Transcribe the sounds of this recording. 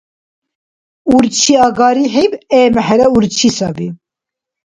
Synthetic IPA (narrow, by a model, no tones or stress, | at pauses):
uɾt͡ʃʰiɑɡɑːɾiħibeːmɛħɛɾɛuɾt͡ʃʰisɑvi